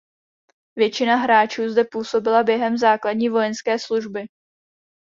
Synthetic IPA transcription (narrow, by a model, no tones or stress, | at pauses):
vjɛt͡ʃɪnaɦɾaːt͡ʃuːzdɛpuːso̞bɪlabjɛɦɛmzaːkladɲiːvo̞jɛnskɛːsluʒbɪ